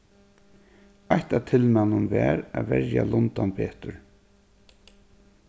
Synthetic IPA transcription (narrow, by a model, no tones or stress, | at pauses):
ajht̪at̪ʰɪlmanʊnvɛːɾavɛɾjalʊnt̪anpeːt̪ʊɹ